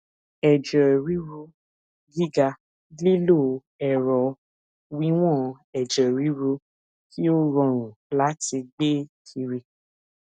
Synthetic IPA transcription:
ɛ˨d͡ʒɔ˨ɾi˨˦ɾu˧ | ɡi˦ɡa˧ | li˦lo˦˨ | ɛ˨ɾɔ˨ | wi˦w̃ɔ̃˦˧ | ɛ˨d͡ʒɔ˨ɾi˨˦ɾu˧ | kʰi˦o˦ɾɔ̃˧˨ɾ̃ũ˨la˦ti˧ɡ͡be˦kʰi˧ɾi˧

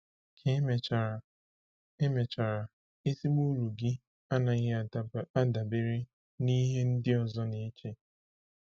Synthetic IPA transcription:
kʰe˦m˨ | e˦me˨t͡ʃa˨ɾa˨ | e˦si˦k͡pu˦ɾu˨ɡɪ˦ | a˦na˨ɪ˦˨a˦da˨be˦ɾe˦ | ni˦ɦe˦n̩˦dɪ˦ɔ˨zɔ˦ni˨˦t͡ʃe˦

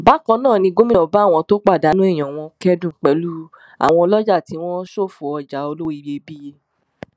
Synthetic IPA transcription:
ba˨˦kɔ̃˧nãː˦˨nĩ˧ɡo˦mĩ˦nɔ̃˨ba˨˦˨w̃ɔ̃˧to˦k͡pa˦˨da˨˦nũ˦ɛ˦˨j̃ɔ̃˨w̃ɔ̃˧kɛ˦dũ˦˨k͡pɛ˨lu˦ | a̰˨w̃ɔ̃˧lɔ˦d͡ʒa˦˨ti˨˦w̃ɔ̃˦ʃo˦˨fu˨ɔ˧d͡ʒa˨˦o˧lo˦i˦˧je˧bi˦je˧

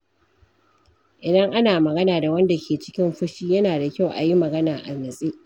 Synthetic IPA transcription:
ʔɪ˨dɐ˦ŋʔa˦naː˨mɐ˨ɡɐ˦naː˨da˨wɐ˦nda˨kʲeː˨t͡ʃɪ̥˦kʲɪ˦mɸʊ˦ʃiː˦jɐ˦naː˨da˨kʲa˦˨wʔa̰˨ji˦mɐ˨ɡɐ˦naː˨ʔa˨nɐ˨sʼiː˦

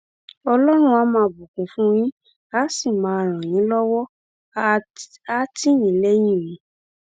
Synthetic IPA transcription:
ɔ˧lɔ˦ɾ̃ũ˦˧a˧˦mãː˧bu˨kũ˨fũ˦j̃ĩ˦ | a˨˦si˦˨mãː˨˦˧ɾ̃ã˨j̃ĩ˨˦lɔ˦wɔ˦ | a˦ti˦nĩ˨˦le˦j̃ĩ˦˨ɾĩ˨˦

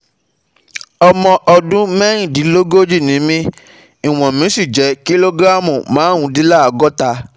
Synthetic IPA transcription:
ɔ˧mɔ̃˧ʔɔ˧dũ˦mɛ˦ɾ̃ĩ˦˨di˨˦lo˦ɡo˦d͡ʒi˦˨nĩ˨˦mĩ˦ | i˨w̃ɔ̃˨mĩ˨˦si˦˨d͡ʒɛ˨˦ki˦lo˦ɡɾa˦mũ˨mãː˨˦ũ˧˦di˦la˦a˨ɡɔ˦ta˧

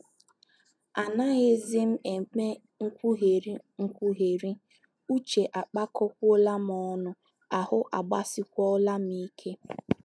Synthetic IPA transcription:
a˨na˦ɣe˦zɪ˦m̩˦e˨me˦ | ŋ̩˦kʷu˦ɦe˨ɾi˦ŋ̩˦kʷu˦ɦe˨ɾi˦ | u˦t͡ʃe˨ʔa˨k͡pa˦kɔ˦k̚ʷo˦la˦m˦ɔ˦nʊ˦ | a˨hʊ˦ʔa˨ɡ͡ba˦sɪ˦kʷɔ˦la˦m˦i˦kʰe˦

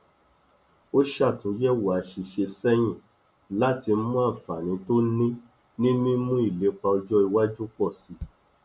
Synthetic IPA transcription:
o˦ʃa˦˨tũ˨˦jɛ˦wa˨˧ʃi˧ʃe˧sɛ˦j̃ĩ˦˨ | la˦ti˧m̩˦mũ˦a˦˨fa˨nĩ˨˦to˦nĩ˦ | nĩ˦mĩ˦mũ˦i˦˨le˨˦k͡pa˧ɔ˧d͡ʒɔ˦i˧wa˦d͡ʒu˦k͡pɔ˦˨si˧˦

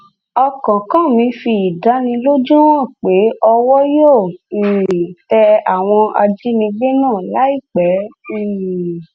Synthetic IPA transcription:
ɔ˧kɔ̃˨kã˦˨mĩ˧˦fi˧i˨da˨˦nĩ˧lo˦d͡ʒũ˦ɔ̃˦˨k͡pe˨˦ʔɔ˧wɔ˦jo˦˨i˨tɛ˧a˨w̃ɔ̃˧ʔa̰˧d͡ʒi˦nĩ˧ɡ͡be˦nãː˦˨la˨˦i˦˨k͡pɛ˨˦˨

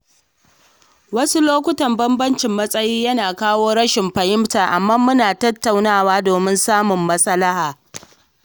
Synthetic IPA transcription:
wɐ˦su˦loː˦kʷʊ˦tɐ˨mbɐ˦mbɐ˦nt͡ʃɪ˨mːɐ˦sʼɐ˦jiː˦jɐ˦naː˨kaː˦woː˦ɽɐ˦ʃɪ˨mɸɐ˨jɪ˦mtaː˨ʔa˨mːaː˦mʊ˦naː˨tɐ˦tːa˨wnaː˦˨waː˦doː˨mɪ˦nsaː˦mʊ˨mːɐ˦sɐ˦lɐ˦haː˨

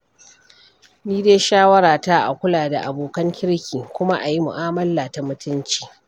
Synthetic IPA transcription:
niː˦deː˦jʃaː˦wɐ˦ɽaː˨ta˦ʔa̰˨kʷʊ˦laː˨da˨ʔa˨boː˨kɐ˦ŋkʲɪ˦ɽkʲiː˨kʷʊ˦ma˦ʔa˨ji˦mʊ̰˨ʔaː˦mɐ˦lːaː˨ta˨mʊ˦tʊ˦nt͡ʃi̥ː˨

